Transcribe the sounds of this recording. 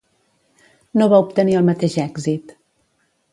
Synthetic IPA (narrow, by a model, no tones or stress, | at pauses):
noβaupt̪əniəlˠmət̪eʃɛɡzit̪